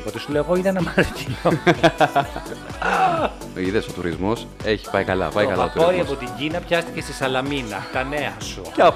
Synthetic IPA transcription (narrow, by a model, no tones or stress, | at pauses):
ot̪esuleoɣoit̪ɐnɐmɐɾcino | iðesot̪uɾizmo̞s | eçi̥pɐikɐlɐ̰pɐiokɐlɐoɾoɾiɐpo̞t̪iɲɟinɐpçɐst̪i̥ce̞st̪isɐlɐminɐt̪ɐne̞ɐsucɐ